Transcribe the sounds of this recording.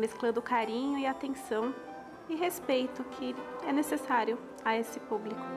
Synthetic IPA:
mesklɐ̃d̪ʊkaɾĩɲʊɪat̪ẽsɐ̃w̃ | ɪɦespejt̪ʊkʰɪɛnesesaɾjʊ | aesɪpublikʊ

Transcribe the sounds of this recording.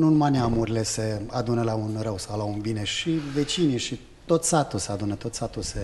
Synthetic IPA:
nunumaneamuɾʲile̞se̞ad̪unəlaunɾəwsawlaunbineʃive̞t͡ʃiniʃi | t̪o̞t̪sat̪ulsead̪unət̪o̞t̪sat̪ulse

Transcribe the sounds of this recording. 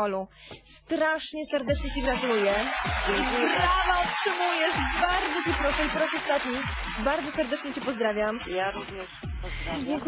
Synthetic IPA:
ɔlu | st̪ɾaʂɲɛsɛɾd̪ɛt͡ʂɲɛt͡ɕiɡɾat̪ulujɛiɾavaɔtʂɨmujɛʂbaɾd̪zɔt͡ɕɛpɾɔʂɛipɔɾasɔst̪at̪ɲibaɾd̪zɔsɛɾd̪ɛt͡ʂɲɛt͡ɕipɔzd̪ɾavʲjamjaɾuvɲɛʂpzad͡ʑɛŋk

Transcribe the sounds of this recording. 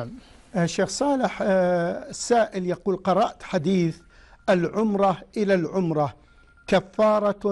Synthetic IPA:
m | ʃːeːxsˤɑːlɪħ | sːaːʔɪljaquːlqɑɾˤɑʔt̪ħad̪iːθ | ʔɪlʕʊmɾˤɑʔɪlalʕʊmɾˤɑ | kafːɑːɾˤɑ

